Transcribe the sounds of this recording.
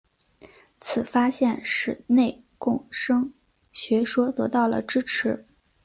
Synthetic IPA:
t͡sʰɹ̩˨˩fa˥ɕjɛ˥˧nʂɻ̩˥˧˩ne˥˧ɪ | kʊ˥˩ŋʂɤ˥ŋ | ɕɥɛ˧˥ʂwɔ˥t̪ɤ̰˧˥t̪ɑ˥˩ʊlə̰˩ʈ͡ʂɻ̩˥ʈ͡ʂʰɻ̩˧˥

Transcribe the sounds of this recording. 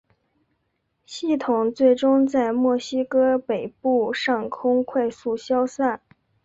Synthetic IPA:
ɕi˥˩t̪ʰʊ˨˩ŋt͡swe˥˩ɪʈ͡ʂʊ˥ŋt͡sa˥˧ɪmwɔ˥˩ɕi˥kɤ˥pe˨˩ɪpu˥˩˧ʂɑ˥˩ŋkʰʊ˥ŋkʰwa˥˧ɪsu˥˩ɕjɑ˥ʊsa˥˩n

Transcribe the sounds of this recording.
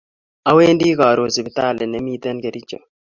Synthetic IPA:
a˦weː˦ndi˦ka˨ɾo˨si˨bi˦ta˦˨lɛ˨nɛ˨˦mi˦t̪ɛ˦nke˨ɾi˦t͡ʃɔ̰˨

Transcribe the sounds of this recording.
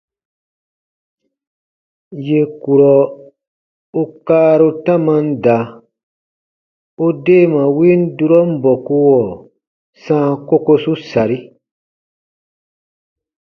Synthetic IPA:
je˨ku˨ɾɔ˨ | u˦kaː˦ɾu˧tã˦mã˦n̩˦da˨ | u˦deː˦˨mã˨wi˦n˦du˦ɾɔ˦m̩˦bɔ˨ku˧wɔ˨ | sã˦ko˦ko˧su˦sa˨ɾi˦

